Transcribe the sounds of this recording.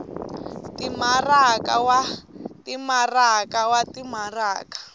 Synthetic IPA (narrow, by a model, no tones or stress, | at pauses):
timaraka̰watimarakawatimaraːkḁ